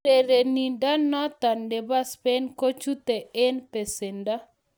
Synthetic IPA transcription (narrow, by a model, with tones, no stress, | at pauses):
e˨ɾe˨ni˨nda˦nɔ˦t̪a˨nde˨ba˦spɛ˦nko˦t͡ʃu˦t̪e˨ɛ˦npe˨se˨nda˦